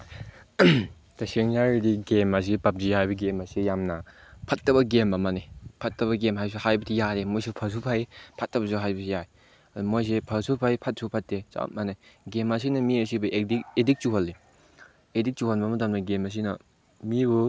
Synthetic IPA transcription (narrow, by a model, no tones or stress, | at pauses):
tɐsiŋzaɾidiɡemɐs̬ipɐp̚zihajbɐɡemɐsijamnɐpʰɐt̚ːɐbɐɡembɐmanepʰɐt̚tːɐβɐɡemɦajbs̬uhajbɐtʰijaɾemojsepʰɐs̬upʰajpʰɐtːɐbɐsuɦajbɐsʰijae | ɐdumojs̬epʰɐsupʰajpʰɐt̚sʰupʰɐtːesa̰manajɡemɐs̬inɐmiɐsibɐʔedikedik̚t͡ʃuɦɐlːi | edik̚t͡ʃuhɐlbɐmɐtɐmnɐɡemɐs̬inɐ | mibu